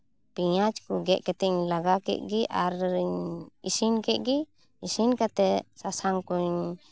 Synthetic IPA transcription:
piɲat͡ʃkuɡɛʔkɛt̪ɛɲlaɡakɛ̰ʔ̪̚ɡiʔaɾɲisinkɛʔ̪̚ɡi | isinkat̪ɛsasaŋkuɲ

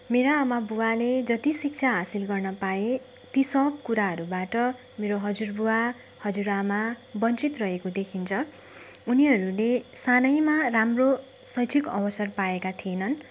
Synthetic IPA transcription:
meɾaːmabuwaled͡zʌt̪isik̚t͡sʰaɦasilɡʌrnʌpae | t̪isʌb̚kuɾaɦʌɾubaʈʌ | meɾoɦʌd͡zurbuwa | hʌd͡zuɾamabʌnt͡sit̪rʌɦekod̪ekʰint͡sʰʌ | uniɦʌɾulesanʌjmaramro | sʌjt͡sʰikʌbʌsʌrpaekat̪ʰienʌn

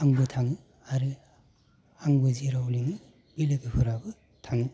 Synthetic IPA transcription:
aŋbɯtʰaŋɯ | aɾɯ | aŋbɯziɾauliŋɯ | b̥ileɡɯhʰuɾabɯ | tʰaŋɯ

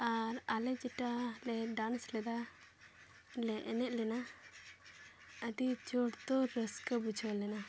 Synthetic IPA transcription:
aɾalɛd͡ʒɛʈalɛɖanslɛd̪a | lɛʔɛnɛʔ̚lɛna | əd̪id͡ʒɔɽt̪ɔɾəskəbud͡ʒʰʱlɛna

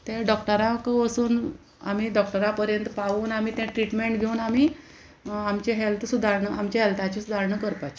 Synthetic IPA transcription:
t̪ẽɖɔk̚ʈəɾakəʋəsuːn | a̰m̤iːɖɔk̚ʈəɾapəɾjənt̪paʋuːnam̤iːt̪ɛ̃ʈɾiʈmeɳʈɡʱeuːnamiː | amt͡ɕeɦelt̪ʰsud̪ʱaɾɳəamt͡ɕeɦelt̪ʰat͡ɕesud̪ʱaɾɳəkəɾpat͡ɕ

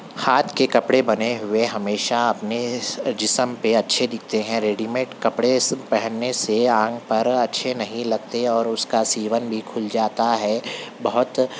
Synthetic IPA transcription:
haːt̪ʰkekɐpɽebɐneɦʊeɦɐmeːʃaɐpned͡ʒɪsəmpeɐtːʃʰed̪ɪk̚ʰt̪eɦɛ̃ɾeːɖiːmeːʈkɐpɽepɐɦənːeseãːŋɡpɐɾɐtːʃʰenɐɦĩlɐɡ̚t̪eɔːɾʊskasiːʋənbʱikʰʊld͡ʒaːt̪aɦɛːbɐɦʊt̪

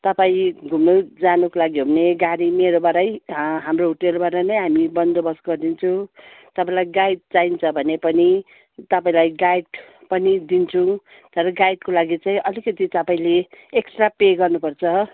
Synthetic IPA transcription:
t̪ʌpaĩɡʱumud͡zanukolaɡiɦobʱʌneɡaɾimeɾobaɾʌjɦamrouʈelbaɾʌnʌjɦamibʌnd̪obʌsɡʌrd̪int͡sʰʌ̃w̃t̪ʌpãĩlajɡaiʈ̚t͡saint͡sʰʌbʱʌnepʌni | t̪ʌpaĩlajɡajʈpʌnid̪int͡sʰʌw̃ | t̪ʌɾʌɡajʈ̚kolaɡit͡saĩʔʌlikʌt̪it̪ʌpaĩleeksʈrapeɡʌrnupʌrt͡sʰʌ

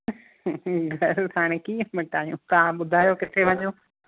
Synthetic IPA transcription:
ɡʱɐɾaːɽ̃ekiːə̃mɐʈaːɦijũt̪ɐʋãɓʊd̪ʱaːjokɪt̪ʰeʋɐɲoː

